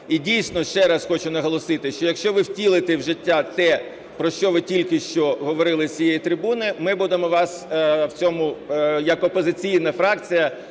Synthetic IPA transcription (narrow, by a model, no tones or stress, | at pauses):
idʲijsʲnɔʃt͡ʃɛɾɐsxɔt͡ʃʊnɐɦɔlˠɔsɪt̪ɪʃt͡ʃɔjɐkʃt͡ʃɔʋɪwtʲilˠɪt̪ɛwʒɪtʲːat̪ɛ | pɾɔʃt͡ʃɔʋɪtʲilʲkɪʃt͡ʃɔɦɔʋɔɾɪlˠɪt͡sʲijɛjit̪ɾɪbunɪmɪbud̪emɔʋɑswt͡sʲɔmʊjɐkɔpɔzɪt͡sʲijnɐfɾɑkt͡sʲijɐ